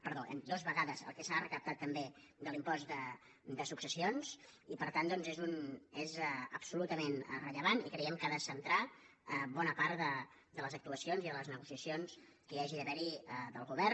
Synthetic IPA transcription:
pəɾðoʔə̰nd̪ozβəɣaðəzə̰lˠkɛsarəkəp̚t̪at̪ːəmbe | d̪əlimpɔsd̪ə | d̪əsuksəsionzipəɾt̪and̪ɔnzezunezə̰psulut̪əmenrəʎəβanikɾɛɛmkaðəsənt̪ɾa | əbɔnəpaɾt̪d̪ə | d̪ələzək̚t̪uəsionziðələznəɣusiəsions | kəjaʒiəβɛɾid̪ə̰lˠɣuβɛr

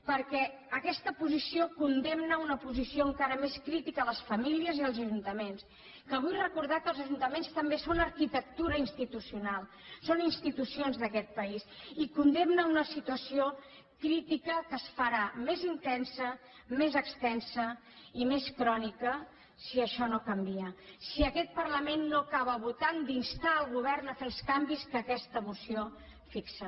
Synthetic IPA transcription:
pəɾkɛ | əkɛst̪əpuzisiokund̪emnəunəpuzisioəŋkaɾəmeskɾit̪ikələsfəmiliəziəlˠzəʒunt̪əmens | kəβ̞ujrəkuɾð̞akəlˠzəʒunt̪əmenst̪əmbesonəɾkit̪ək̚t̪uɾəinst̪it̪usiunalˠ | soninst̪it̪usionzðəkɛt̪̚pəisikund̪emnəunəsit̪uəsio | kɾit̪ikəkəsfəɾamezint̪ɛnsə | mezəkst̪ɛnsəimeskɾɔnikə | siəʃɔnokəmbiəsiəkɛt̪̚pərləmenːokaβ̞əβut̪and̪inst̪aəlˠɣuβ̞ɛrnəfelskambiskəkɛst̪əmusio | fiksə

